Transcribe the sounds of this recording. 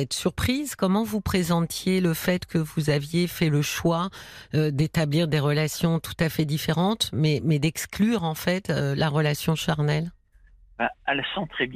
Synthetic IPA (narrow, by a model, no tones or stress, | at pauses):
ɛt̪syʁpχizkɔmɑ̃vupχezɑ̃t̪ʰjeləfɛt̪kʰəvuzavjefɛləʃwaød̪et̪abliʁd̪eʁəlasjɔ̃t̪ʰu̥t̪afɛd̪ifeʁɑ̃t̪mɛmɛd̪ɛksklyʁɑ̃fɛt̪ølaʁəlasjɔ̃ʃaʁnɛl | baɛlsɑ̃t̪χɛb